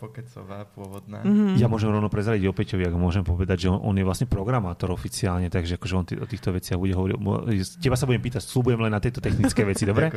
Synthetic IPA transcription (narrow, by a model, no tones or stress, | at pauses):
pɔkɛsɔʋapʊɔʋɔd̪naːjamʊɔʒɛmɾɔʊnɔpɾɛzɾaɟiɟɔpɛcɔʋiaɡɔmʊɔʒɛmpɔʋɛd̪aɟʒɛɔnʔɔ̰njɛʋlasɲɛpɾɔɡɾamaːt̪ɔɾɔfit͡siaːlɲɛt̪aɡʒɛakɔʒɛɔnt̪ɔ̰t̪iːxt̪ɔʋɛt͡sɪaɣbuɟɛɦɔʋɔɾḭcɛbasabuɟɛmpiːt̪acslubujɛmlɛnːat̪jɛt̪ɔt̪ɛxnit͡skɛʋɛt͡sid̪ɔbɾɛ